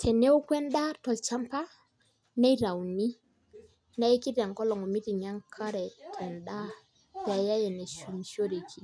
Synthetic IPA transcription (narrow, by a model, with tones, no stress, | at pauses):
tʰɛ˨ne˦u˦kwɛ˦nda˦tɔ˨lt͡ʃa˦mpa˦ | na˦jɾa˨wni˦ | na˦jki˦da˨ŋkɔ˦lɔ˨ŋɔ˨mi˦ti˨ŋɲa˦ŋkʰa˦ɾɛ˨tʰɛ˨nɗa˦ | tɛ˨a˨ja˦jɛ˨nɛ˨su˨mi˨so˦ɾe˨kʰi˦